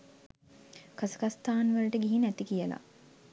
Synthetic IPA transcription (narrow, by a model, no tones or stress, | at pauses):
kasə̥kast̪aːnʋəɾəʈəɡiɦinæt̪ikijəla̰